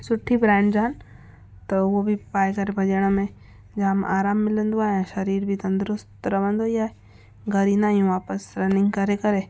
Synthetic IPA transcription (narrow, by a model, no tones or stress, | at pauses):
sʊʈʰːibɾɛ̃ːɳɖd͡ʒaːn | t̪ɐʋobʱipaːjkɐɾebʱɐd͡ʒeɽ̃ãmẽ | d͡ʒaama̰ːɾaːmːɪlə̃nd̪uaːjãʃɐɾiːɾbʱit̪ɐnd̪ɾʊst̪ɾɐbɐ̃nd̪ojaːe | ɡɐɾinãjũʋaːpəsɾɐnɪ̃ŋɡkɐɾekɐɾe